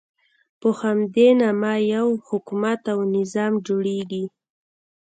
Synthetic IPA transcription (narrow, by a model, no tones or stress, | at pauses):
pəhamd̪enamɑjawhʊkumat̪awnɪzɑmd͡ʒoɽeɡi